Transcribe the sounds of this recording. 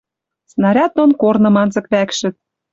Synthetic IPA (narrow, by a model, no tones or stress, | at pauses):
snɑɾʲɑt̪̚ːonkornɤ̆mɑnzɤ̆kβækʃɘ̆t̪̚